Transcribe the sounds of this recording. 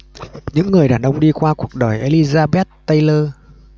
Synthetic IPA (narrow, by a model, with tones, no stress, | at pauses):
ɲɨ̰˧˥ŋːɨ˨˩əjɗaː˨˩nʔə˧wŋ͡mɗi˧kwaː˧ku˨˩ək̚ɗəː˨˩jʔe˧li˧zaː˧ɓɛ˦˥t̚t̪ə˧jləː˧